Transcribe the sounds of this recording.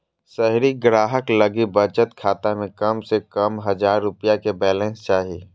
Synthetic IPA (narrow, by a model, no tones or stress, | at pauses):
sɛɦɾiɡɾaːɦəkləɡibət͡ʃət̪kʰaːt̪amẽkəmsekəmɦəzaːɾːʊpijakebɛːlɛ̃ːnst͡ʃaːɦiː